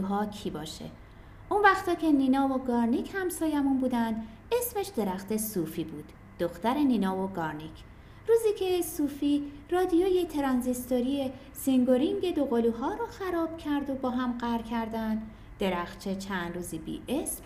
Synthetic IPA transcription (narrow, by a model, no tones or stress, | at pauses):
ɦɒːcʰiːbɒ̰ːʃḛ | ʔunvæxt̪ʰɒːcʰe̞niːnɒːvoɡɒːɾnicʰhæmsɒːjæmunbuːd̪ænd̪ | e̞sme̞ʃd̪e̞ɾæxt̪e̞sufiːbuːd̪̥ːoxt̪æɾe̞niːnɒːvoɡɒɾnicʰ | ruːziːcʰe̞suːfiːɾɒːd̪ijoːje̞t̪ʰeɾɒːnzist̪oɾie̞ | siŋɡoɾiŋɟe̞d̪o̞ɣoluɦɒːɾɔːxæɾɒːb̥̚cʰæɾd̪o̞bɒːɦæmɢæɾcʰæɾd̪ænd̪ | d̪̥e̞ɾæxt͡ʃʰe̞t͡ʃʰænd̪ruːziːbḭːʔesm